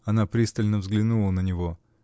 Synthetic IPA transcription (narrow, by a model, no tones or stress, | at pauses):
ɐnapɾʲist̪əlʲnəvzɡlʲɪnulˠənənʲɪvo